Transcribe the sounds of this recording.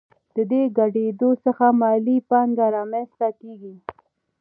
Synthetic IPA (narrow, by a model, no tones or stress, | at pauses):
d̪̥əd̪eɡaɖed̪osəxamɑlipɑŋɡaɾɑmanst̪akeɡi